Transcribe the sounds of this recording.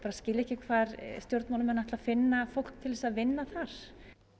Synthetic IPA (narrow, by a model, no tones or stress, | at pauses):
paːɾascɪːlɛhcɪkʰvaːɾst̪jowɾt̪mawlɪmɛnaht̪lafɪnːafowl̥k̚t̪ʰɪlvɛsaðvɪnːaθaɾ̥